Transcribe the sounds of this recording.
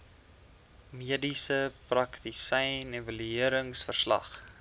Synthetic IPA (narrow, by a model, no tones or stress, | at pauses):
miədisəprɐktisɛjnɛvəlyiəɾəŋsfərslɐ̰χ